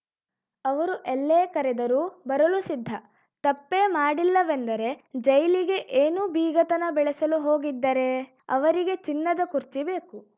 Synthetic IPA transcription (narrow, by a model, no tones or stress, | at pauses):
ɐʋɐɾuʔelːeːkɐɾɛd̪ɐɾuːbɐɾɐlusid̪ʱːɐ | t̪ɐpːeːmaːɽilːɐʋend̪ɐɾe̞d͡ʒɐjliɡe̞ʔeːnuːbiːɡɐt̪ɐnɐbɛɭɛsɐluɦoːɡid̪ːɐɾe̞ | ɐʋɐɾiɡe̞t͡ʃinːɐd̪ɐkuɾt͡ʃibe̞ːku